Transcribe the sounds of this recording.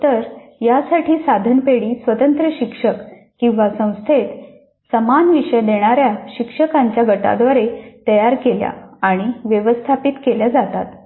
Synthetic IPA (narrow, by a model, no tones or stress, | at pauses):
t̪əɾjasaʈʰiːsad̪ʱənpeɽiːsʋət̪ənt̪ɾəɕikʂək | kĩw̃ʋasə̃w̃st̪ʰet̪ | səmanʋiʂəjd̪eɽ̃aɾjaɕikʂəkaɲt͡ɕjaɡəʈa̰d̪ʋaɾet̪əjaɾkelja̰aɽ̃iʋjəʋəst̪ʰapit̪keljad͡zat̪at̪